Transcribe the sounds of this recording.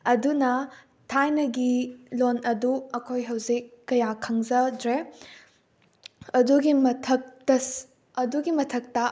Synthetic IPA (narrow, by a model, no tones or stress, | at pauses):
ɐdunɐ | tʰajnɐɡilonɐduɐkʰojɦɐwzikːɐjakʰɐŋzɐdɾe | ɐduɡimɐtʰɐk̚tɐs | ɐduɡimɐtʰɐk̚tɐ